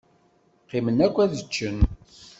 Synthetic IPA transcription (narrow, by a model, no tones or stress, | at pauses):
qːimənækʷːæðət͡ʃːən